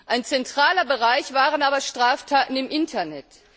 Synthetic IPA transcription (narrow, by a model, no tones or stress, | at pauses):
ʔaɪnt͡sɛntʁ̥aːlɐbəʁaɪçv̥aːʁənaːbɐʃtʁ̥aːftʰaːtn̩ɪmʔɪntʰɐnɛt